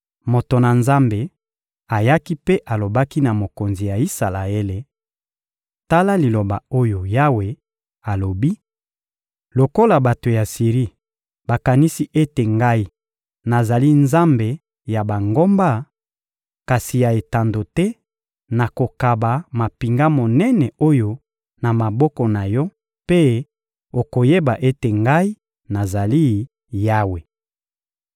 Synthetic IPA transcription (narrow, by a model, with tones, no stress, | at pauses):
mo˨to˨na˨nza˦mbe˨ | a˨ja˦ki˦pe˦ʔa˨lo˨ba˦ki˦na˨mo˨ko˨nzi˨ja˨i˦sa˨la˨e˦le˨ | ta˦la˦li˨lo˨ba˨o˦jo˨ja˦we˨ | a˨lo˨bi˦ | lo˨ko˦la˨ba˨to˨ja˨si˨ʁi˦ | ba˨ka˨ni˦si˦ʔe˦te˨ŋɡa˦i˦ | na˨za˨li˦nza˦mbe˨ | ja˨ba˨ŋɡo˦mba˦ | ka˨si˨ja˨e˨ta˨ndo˨tɛ˦ | na˨ko˨ka˨ba˨ma˨pi˨ŋɡa˦mo˨nɛ˦nɛ˨o˦jo˦ | na˨ma˨bɔ˦kɔ˨na˨jɔ˦ | pe˦ | o˨ko˨je˦ba˨ʔe˦te˨ŋɡa˦i˦ | na˨za˨li˦ | ja˦we˨